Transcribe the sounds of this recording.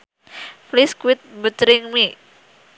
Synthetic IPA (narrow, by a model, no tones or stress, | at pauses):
fliskwɪt̪̚but̪ɾɪŋmi